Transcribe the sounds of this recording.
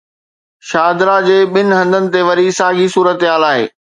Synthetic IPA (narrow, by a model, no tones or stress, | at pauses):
ʃaːd̪ɾad͡ʑeːɓɪnɪ̆ɦɐ̃nd̪ʱənɪ̆t̪eʋɐɾisaːɡʱisuːɾət̪ɪɦaːlaːɦḛː